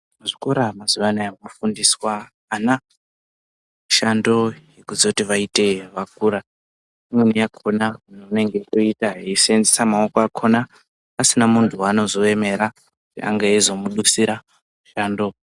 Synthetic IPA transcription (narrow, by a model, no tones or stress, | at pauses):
muʐiko̞ɾamazuʋanaamofundiswaː | na | uʃando̞jekuzotiʋaite̞ʋak̚uɾa | imwenijakʰonaunoune̞ŋɡe̞toitaɦeisenzesamaokoakʰo̞naː | sinamuntʰuano̞zo̞e̞me̞ɾa | kutḭa̰ŋɡaezo̞muɗusiɾa | muʃaːndo̞